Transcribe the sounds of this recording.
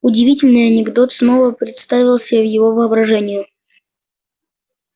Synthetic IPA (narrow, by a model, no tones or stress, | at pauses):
ʊdʲɪvʲitʲɪlʲnɨjɐnʲɪɡd̪o̞t̪sno̞vəpɾʲɪt̪st̪avʲɪlˠsʲɪavjɪvo̞vɨɐbɾɐʐɛnʲɪjɪ